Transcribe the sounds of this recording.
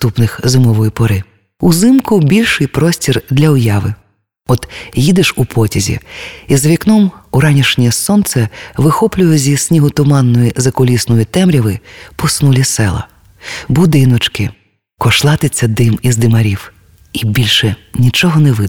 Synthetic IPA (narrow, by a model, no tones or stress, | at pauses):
t̪upnɪxzɪmɔʋɔjipɔɾɪ | uzɪmkʊbʲilʲʃɪjpɾɔsʲtʲird̪lʲɐʊjɑʋɪ̰ | ɔt̪jid̪ɪʃupʰɔtʲizʲḭizɐʋʲiknɔmuɾɑnʲiʃnʲɛɛsɔnt̪sɛʋɪxɔplʲʊjʊzʲisʲnʲiɦʊt̪ʊmɑnːɔjizɐkɔlʲisnɔjit̪ɛmɾʲiʋɪpɔsnulʲisɛlˠɐ̰ | bʊd̪ɪnɔt͡ʃkɪ | kɔʃlˠɑt̪ɪt͡sʲːɐd̪ɪmizd̪ɪmɐɾʲiw | ibʲilʲʃɛnʲit͡ʃɔɦɔnɛʋɪ